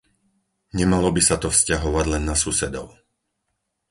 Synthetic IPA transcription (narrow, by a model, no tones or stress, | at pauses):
ɲɛmalɔbisat̪ɔfscaɦɔʋaɟlɛnːasusɛd̪ɔ̰ʊ